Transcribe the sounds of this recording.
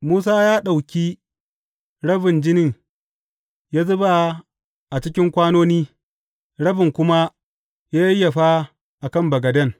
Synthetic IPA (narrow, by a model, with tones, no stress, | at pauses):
muː˦s̬aː˦jaː˦ɗa˨wkʲiː˦ | ɽɐ˦bɪ˨nd͡ʒɪ˦nɪ˦˨ŋ | ja˦zʊ˦ba˨ | ʔa˨t͡ʃɪ˦kʲɪ˦ŋkʷaː˦noː˦niː˦ | ɽɐ˦bɪ˨ŋkʷʊ˦ma˦ | ja˦jːa˨ɸa˦ | ʔa˨kɐ˦˨mbɐ˨ɡɐ˨dɐ˦ŋ